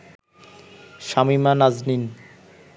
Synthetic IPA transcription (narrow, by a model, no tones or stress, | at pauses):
ʃamimanaznin